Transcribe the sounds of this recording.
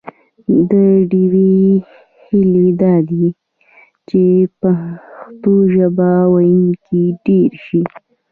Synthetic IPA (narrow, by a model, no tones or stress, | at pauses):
d̪əɖiwi | hɪled̪ɑd̪i | t͡ʃepaxt̪oʒabawajənkiɖeɾʃi